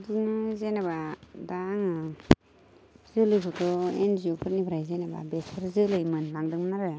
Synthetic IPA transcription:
dinazenabadaŋɯ | z̥ɯlɯjkʰɔtʰɔenziupʰɯɾnibʰɾajzenaba̰bespʰɯɾzɯlɯjmɯnlaŋdɯŋmɯnaɾɯj

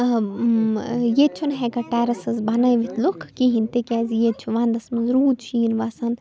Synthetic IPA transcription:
jet͡ʃʰunɦɛɡɐʈɛːɾɐsɐzbɐnɐjʋit̪ʰlukʰːiɦint̪ekʲɛːzijet͡ʃʰuʋaːnd̪ɐsmɐnzɾuːd̪t͡ʃʰiːnʋasɐn

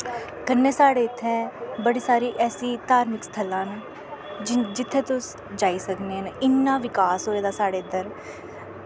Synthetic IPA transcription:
kənːẽːsaːɽeːɪt̪ʰːɛ̃ːbəɽiːsaːɾiːʔɛːsiːt̪aːɾmɪkst̪ʰəlãːn | d͡ʒɪt̪ʰːeːt̪ʊs | d͡ʒaːiːsəkneːnɪnːãːʋɪkaːsɦoːeːd̪aːsaːɽeːəd̪əɾ

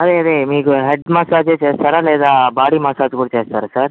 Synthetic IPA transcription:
ɐd̪eɐd̪emiːɡuɦeɖmaːsaːd͡ʒeːt͡ʃeːst̪aːɾaleːd̪abaːɽimaːsaːt͡ʃkuɽt͡ʃeːst̪aːɾesɐɾ

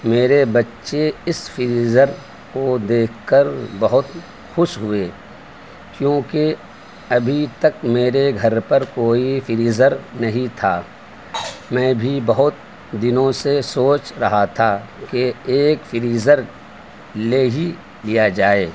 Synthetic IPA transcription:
meːɾebɐtːʃeɪsfɪɾiːzəɾ | kod̪eːkʰːkəɾbɐɦʊt̪ | xʊʃɦʊeː | kjõːke | ɐbʱit̪ɐkmeːɾeɡʱɐɾpɐɾkoːifɪɾiːzəɾnɐɦĩt̪ʰaː | mɛ̃ːbʱibɐɦʊt̪̚ | d̪ɪnõsesoːt͡ʃɾɐɦat̪ʰa | keeːkfɪɾiːzəɾ | leːɦi | lijad͡ʒaːeː

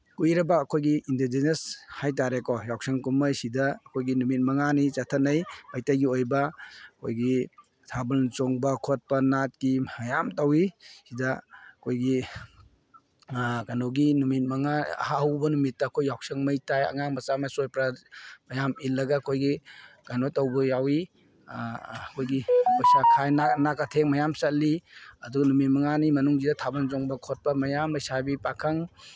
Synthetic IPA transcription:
kujɾɐbɐːkʰojɡiʔindid͡ʒineshajt̬aɾekɔjawk̚sɐŋkumɐjsidɐːkʰojɡinumit̚mɐŋanit͡ʃatʰɐnɐjbajtajɡiojbɐɐkʰojɡi | tʰabult͡ʃoŋbɐkʰot̚pɐnat̚kiɐjamtawisidɐɐkʰojɡi | kanoɡinumit̚mɐŋaɐ̰haɦɐwbɐnumitːɐːkʰojːawsɐŋmɐjtajɐ̰ŋaŋbɐsamɐsojpɾamɐjamilːɐɡɐːkʰojɡikanotɐwbɐjawi | kʰojɡikʰojsakʰajnanakatʰeŋmɐjamsɐliɐduɡɐnumit̚mɐŋanimɐnuŋzidɐtʰabɐnzoŋbɐkʰot̚pɐmɐjamlɐjsabipakʰɐŋ

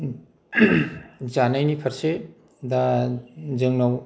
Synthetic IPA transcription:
d͡ʒanajnipʰɐɾse | da | zɯŋnaw

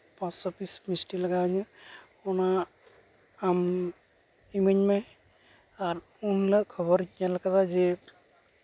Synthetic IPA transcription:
pãsɔpismisʈilaɡaɲu | ɔna | m | imeɲmaj | aɾ | unləkʰɔbɔɾkijalakat̪ʰaze

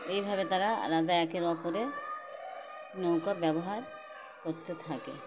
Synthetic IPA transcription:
ejbʱabet̪aɾaa̰lad̪aɛkeɾɔpoɾe | nowkabɛboɦaɾ | koɾt̪et̪ʰakḛ

